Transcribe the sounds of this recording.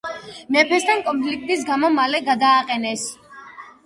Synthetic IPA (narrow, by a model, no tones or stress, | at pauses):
mɛpʰɛst̪ʰankʼɔnpʰlik̚t̪ʼis̬ɡamɔmalɛɡad̪aːqʼɛnɛs